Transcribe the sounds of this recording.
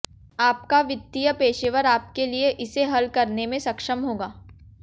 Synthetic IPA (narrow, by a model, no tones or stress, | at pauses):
aːp̚kaʋɪt̪ːijəpeːʃeːʋəɾaːp̚kelieʔɪseɦɐlkɐɾnemẽsɐkʃəmɦoːɡaː